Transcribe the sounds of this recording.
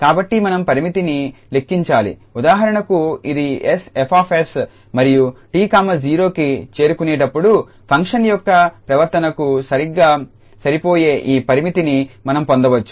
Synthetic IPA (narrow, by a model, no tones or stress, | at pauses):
kaːbɐʈːimɐnɐmpɐɾimit̪inile̞kːiɲt͡ʃaːlḭud̪aːɦɐɾɐɳɐkuid̪iesepʰaːpʰes | mɐɾijuʈiːkaːmɐd͡ʒiːɾo̞ːkit͡ʃe̞ːɾukune̞ːʈɐpːuɽu | pʰɐŋkʂɐnjɔkːɐpɾɐʋɐɾt̪ɐnɐkusɐɾiɡːaː | sɐɾipoːje̞ːʔiːpɐɾimit̪inimɐnɐmpond̪ɐʋɐt͡ʃːu̥